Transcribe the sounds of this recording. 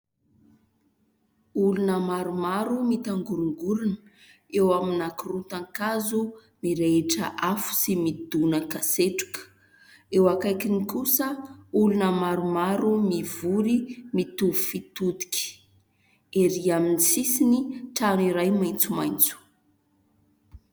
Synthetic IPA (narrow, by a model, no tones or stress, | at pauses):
ulunəmaɾumaɾumit̪aŋɡuɾuŋɡulunə | ewaminakurut̪aŋkazu | miɾeeʈ͡ʂə̰ʔafu̥simid̪unəkaseʈ͡ʂu̥kə̥ | ewakajkinikusəulunəmaɾumaɾumivuɾimit̪uvufit̪ud̪i̥kʲi̥ | eɾiaminisisiniʈ͡ʂaniɾajmaj̃nt͡suma̰jnt͡su̥